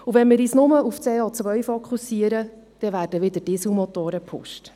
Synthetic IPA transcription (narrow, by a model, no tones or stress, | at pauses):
uvɛnmɪːɾiːsnʊməʔuft͡seːɔt͡sʋœɥfɔkʰχusiəɾə | d̪̥ɛʋæːɾdəʋɪd̪ətɪsumɔt̪oːɾəpʰʊ̰ʃt